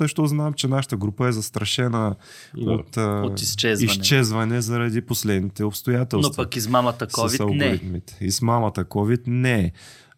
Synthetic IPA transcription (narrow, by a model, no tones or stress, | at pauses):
əʃt̪ɔznamt͡ʃɛnaʃə̥t̪əɡɾupəɛzɐst̪ɾɐʃɛnə | o̰t̪ːoist͡ʃɛzisnt͡ʃɛzvɐnɛzɐɾɐd̪iposlɛd̪nit̪ɛopst̪ojat̪ɛlˠnopɐkizmamɐt̪əskviɐnɡ̪ʊɾit̪mit̪ɛ̥izmamɐt̪əkɔvit̪nɛ